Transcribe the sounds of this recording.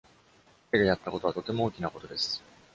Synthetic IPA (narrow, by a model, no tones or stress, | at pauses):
ed̪e̞jat̪ːako̞t̪o̞at̪o̞t̪e̞mo̞oːkʲinako̞t̪o̞d̪e̞sɨ̥